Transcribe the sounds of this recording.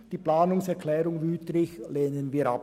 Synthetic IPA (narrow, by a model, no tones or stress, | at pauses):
d̥iːplaːnʊŋsɛʁkʰlɛːʁʊŋvyːtlɪçleːnənviːɐa̰p